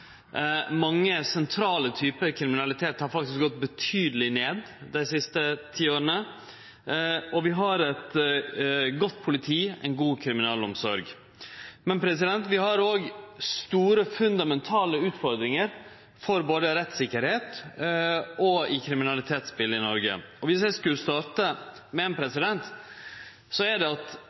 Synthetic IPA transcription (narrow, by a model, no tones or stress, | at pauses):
mɑŋːəsɛnt̪ʰɾɑːlət̪ʰyːpəɾkʰɾɪmɪnɑlɪt̪ʰeːt̪hɑɾfɑk̚t̪ɪsk̚ɡɔt̪̚bət̪ʰyːd̪əlɪneːd̪ | d̪æɪsɪst̪ət̪ʰiːoːɾənə | ɔʋɪɦɑɾɛt̪ | ɡɔt̪ːpʰʊlɪt̪ʰiːɛ̰ɪnɡuːkʰɾɪmɪnɑːlɔmsɔɾɡ | mɛnpʰɾɛs̬ɪd̪ɛnt̪ʋɪhɑɾoːɡst̪uːɾəfʉnd̪ɑmɛnt̪ʰɑːləʉːt̪fɔɾd̪ɾɪŋəɾ | fɔɾboːd̪əɾɛt̪sɪkːəɾheːt̪ | ɔɪkʰɾɪmɪnɑlɪt̪ʰeːt̪spɪlːɪnɔɾɡə̰ɔʋɪsjæɪskʉlst̪ɑːɾʈə | mɛeːnpʰɾɛsɪd̪ɛnt̪ | sɔæɖɛɑt̪